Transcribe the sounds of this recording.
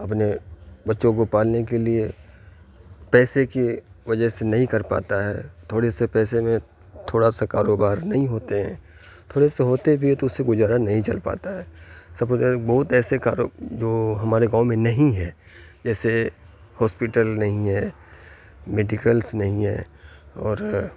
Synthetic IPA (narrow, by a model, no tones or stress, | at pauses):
ɐp̬nebɐtːʃõk̬opaːlnek̬elie | pɛːsekiʋɐd͡ʒəsenɐɦĩkɐɾpa̰ːt̪aɦɛ̰ːt̪ʰoːɽesepɛːsemẽ | t̪ʰoːɽasakaːɾoːbaːɾnɐɦĩɦoːt̪eɦɛ̰̃ː | t̪ʰoːɽeseɦoːt̪ebʱit̪oʊseɡʊd͡ʒaːɾanɐɦĩt͡ʃɐ̰lpa̰ːt̪aɦɛːsɐbbɐɦʊt̪ɛːsekaːɾod͡ʒoːɦɐmaːɾeɡãːʊ̃mẽnɐɦĩɦɛː | d͡ʒɛːse | hɔːspɪʈəlnɐɦĩɦɛː | meːɖɪkəlsnɐɦĩɦɛ̰ː | ɔːɾ